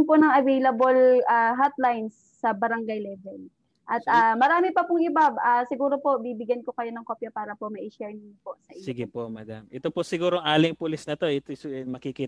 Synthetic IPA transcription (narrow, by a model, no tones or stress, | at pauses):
ŋponɐŋɐvejlɐbolʔaɦat̪lajnsːɐbɐɾɐŋɡajlɛvɛl | ʔɐt̪amɐɾaːmɪpɐpʊŋʔɪbabʔasɪɡuːɾo̞po̞ʔbibɪɡjɐnkokɐjo̞nɐŋko̞ːpjɐpaːɾɐpo̞mɐʔɪʃɛɹnɪŋpo̞sɐʔɪsɪɡɪpoʔmɐd̪amʔɛt̪oposɪɡuːɾoŋaːlɪŋpʊlɪsnɐt̪o̞ɛt̪osomɐkikiː